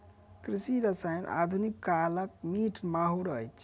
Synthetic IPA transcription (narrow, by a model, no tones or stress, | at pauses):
kɾisiɾəsajnʔa̰d̪ʱunikːalək̚miʈʰmaɦuɾə̰jt͡ʃʰ